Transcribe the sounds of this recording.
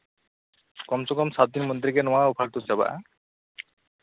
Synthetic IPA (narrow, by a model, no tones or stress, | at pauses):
kɔmsɔkɔmsat̪̚d̪inmɔnd̪ɾikenɔwaupʰaɾt̪ut͡ɕaba̰ʔa̰